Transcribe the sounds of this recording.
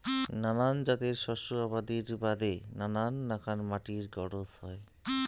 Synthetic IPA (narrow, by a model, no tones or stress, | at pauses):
nanand͡ʑat̪eɾʃɔʃoabad̪iɾbad̪enananːakʰanmaʈiɾɡɔɽosɦɔe